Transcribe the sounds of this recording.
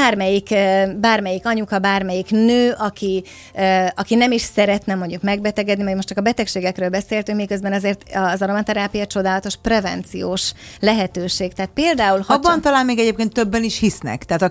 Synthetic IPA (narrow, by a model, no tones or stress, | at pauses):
aːrmɛjikbaːrmɛjikɒɲukɒbaːrmɛjiknøːʔɒkʰi | øɒkinɛmiʃsɛɾɛt̪nɛmo̞ɲɟukmɛɡbɛt̪ɛɡɛd̪nimɒɟmo̞ʃt͡ʃɒkɒbɛt̪ɛkʃeːɡɛkrøːlbɛseːlt̪yŋkmikø̞zbɛnɒzeːrt̪ɒzɒɾomɛnt̪ɛɾaːpijɒt͡ʃo̞d̪aːlɒt̪o̞ʃprɛvɛnt̪sijoːʃlɛɦɛt̪øːʃeːkt̪ɛːt̪̚peːld̪aːulhɒbːɒnt̪ɒlaːnmeːɡɛɟeːp̚keːnt̪ːøbːɛniʃhisnɛ̰kt̪ɛaːt̪ɒ